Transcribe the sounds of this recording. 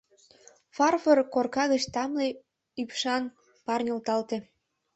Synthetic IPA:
fɑrfɤrkorkɑɣət͡ɕt̪ɑmle | ypʃɑn | pɑrnʲolt̪ɑlt̪e

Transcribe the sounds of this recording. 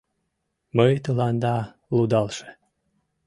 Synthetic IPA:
məjt̪əlɑnd̪ɑ | lˠud̪ɑlˠʃe̥

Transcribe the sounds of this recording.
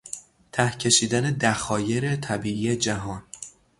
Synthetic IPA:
t̪ʰæhcʰe̞ʃiːd̪æne̞d̪æxɒːje̞ɾe̞t̪ʰæbiːʔiːje̞d͡ʒæɦɒːn

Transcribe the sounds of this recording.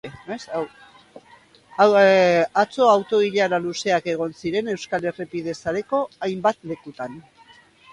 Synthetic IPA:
es | at͡so̞awt̪o̞iʎaɾaluse̞ake̞ɣ̞o̞nsiɾe̞ne̞wskalerepið̞e̞saɾe̞ko̞ajmbat̪le̞kut̪an

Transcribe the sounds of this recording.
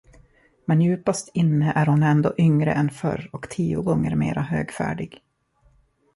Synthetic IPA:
mɛnjʉ̟ːpast̪ʰɪnːəʔæɾhʊnɛnd̪oːʔʏŋɾə̰ʔɛnfœ̰ɾɔkt̪ʰiːʊɡɔŋːə̰ɾmeːɾaɦøːɡfæ̰ːɖɪɡ

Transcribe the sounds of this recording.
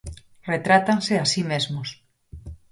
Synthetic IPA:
ret̪ɾat̪anseasimezmos

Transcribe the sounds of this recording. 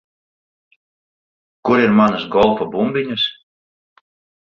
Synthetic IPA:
kuɾiɾmanɨsɡɔlˠfabumbʲiɲʲus

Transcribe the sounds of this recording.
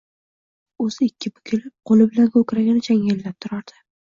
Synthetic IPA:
ɵzɪɪkʲːɪbʊ̥kʲʰɪlɪp̚qʰolɪbɪlankʲokʲɾaɡʲanɪt͡ʃʰaŋɡʲelːap̚t̪ʰʊɾaɾd̪̥ɪ̥

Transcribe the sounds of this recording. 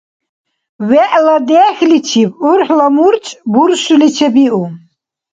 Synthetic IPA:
wɛʔlad̪ɛːxlit͡ʃʰibuɾħlamuɾt͡ʃʼbuɾʃulit͡ʃʰɛbiʔu

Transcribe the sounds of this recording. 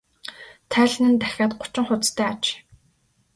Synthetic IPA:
t̪ʰæːɮ̆nɘ̆nt̪æxʲaːt̪ɢʊ̥t͡ɕɪ̆ŋχʊt͡st̪ʰæːat͡ɕ

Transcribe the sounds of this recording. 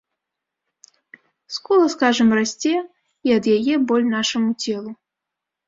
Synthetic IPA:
skɔlˠɐskaʐɐmrasʲt͡sʲɛ | iɐd̪jajɛbɔlʲnaʂɐmut͡sʲɛlˠu

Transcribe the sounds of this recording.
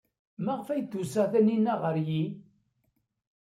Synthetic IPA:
mæʁfæjd̪usæθæninːæʁəɾji

